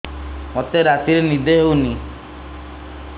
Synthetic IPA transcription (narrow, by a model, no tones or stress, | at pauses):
mot̪eɾat̪iɾenid̪ʱeɦewni